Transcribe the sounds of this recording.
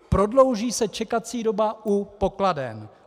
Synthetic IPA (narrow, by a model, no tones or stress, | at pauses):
pɾo̞dlo̞wʒiːsɛt͡ʃɛkat͡siːdo̞baʔupo̞kladɛ̰m